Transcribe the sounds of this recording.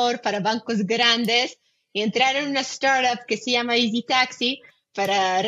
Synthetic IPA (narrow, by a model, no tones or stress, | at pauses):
oɾpaɾaβaŋkozɡɾand̪es | ient̪ɾaɾenunast̪aɾt̪ap̚kesejamaizit̪aksi | paɾar